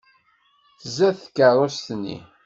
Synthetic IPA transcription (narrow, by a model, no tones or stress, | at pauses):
θəzæθkːərˤost̪nːḭ